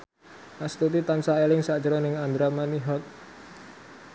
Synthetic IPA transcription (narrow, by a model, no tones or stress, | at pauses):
ʔast̪ut̪it̪ansaelɪŋsḁd͡ʒəɾɔnɪŋand̪ɾamaniɦɔt̪̚